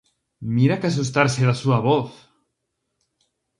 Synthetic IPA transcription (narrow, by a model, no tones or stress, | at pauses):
miɾakas̬us̬t̪aɾseðasuaβoθ